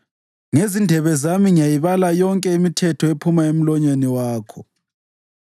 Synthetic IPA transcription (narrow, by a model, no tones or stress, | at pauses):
ŋezindʱɛβɛzamiŋijajiβalajɔŋkʼɛimitʰɛtʰɔepʰumaem̩lɔɲeniwaːkʰɔ